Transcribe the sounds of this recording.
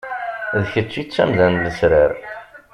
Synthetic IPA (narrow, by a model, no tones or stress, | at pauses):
ðəçət͡sːit͡sːæ̰mðænləsɾəɾ